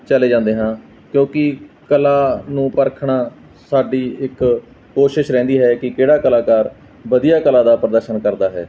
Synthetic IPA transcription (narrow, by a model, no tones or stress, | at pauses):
t͡ʃəleːd͡ʒãːnd̪eːɦãː | kjõːkɪkəlaːnũːpəɾkʰɳaː | saːɖiːɪkː | oːʃɪʃɾɛ̃ːnd̪iːɦɛːkɪkeːɽaːkəlaːkaːɾ | ʋəd̪ijaːkəlaːd̪aːpɾəd̪əɾʃənkəɾd̪aːɦɛ̰ː